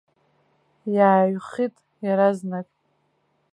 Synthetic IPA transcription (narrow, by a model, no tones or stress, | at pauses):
jaːɥχitʼ | jaɾaznakʼ